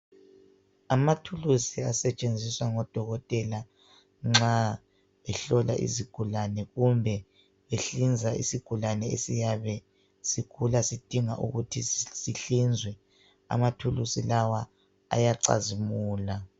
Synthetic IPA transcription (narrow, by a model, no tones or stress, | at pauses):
amatʰulusiasɛt͡ʃʼend͡zʱiswaŋɔd̥ʱɔɣɔtʼɛla | ŋ͡ǁa | ɛɬɔlaʔḭziɡ̥ʱulanɛɣumbʱɛ | βeɬind͡zʱaḭsiɡ̥ʱulanɛḛsijaβɛ | sikʰulasid̥ʱiŋaʔṵɣutʰisiɬind͡zʱwɛ | a̰matʰulusilawa | a̰jaǀa̰zimuːla